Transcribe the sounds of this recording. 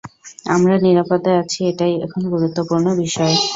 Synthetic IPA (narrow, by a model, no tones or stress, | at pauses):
a̰mɾaniɾapot̪ːaeat͡ɕʰieʈajɛ̰kʰonɡuɾut̪ːopuɾnobiʃɔe